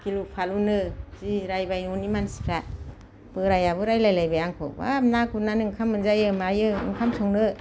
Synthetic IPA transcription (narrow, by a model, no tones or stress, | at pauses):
kilupʰalunɯziɾajbajnunimansi̥pʰa | b̥ɯɾajabɯɾajlajlajbajaŋkʰɔ̰ba̰mnakunanɯŋkʰamɯnzajɯmajɯɯ̰ŋkʰamsʰɔŋnɯ